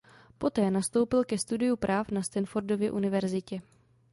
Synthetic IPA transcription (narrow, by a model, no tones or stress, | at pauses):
po̞t̪ɛːnast̪o̞wpɪlkɛst̪udɪjupɾʔaːfnast̪ɛnfo̞ɾdo̞vjɛ̰ʔunɪvɛɾzɪcɛ